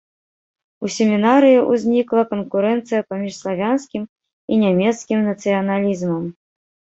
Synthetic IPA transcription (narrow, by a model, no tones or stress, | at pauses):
usʲɛmʲinaɾɨjiʔuzʲnʲiklˠɐkɐnkuɾɛnt̪sɨjɐpamʲiʂslˠavʲanskʲim | inʲamʲɛt̪skʲimnɐt̪sɨjɐnalʲizmɐm